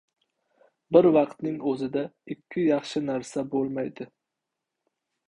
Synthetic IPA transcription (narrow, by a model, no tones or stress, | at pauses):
bɪɾvɑqt̪nɪŋɵzɪd̪aɪkʲʰːɪjɑχʃɪnaɾsabolˠmajd̪ɪ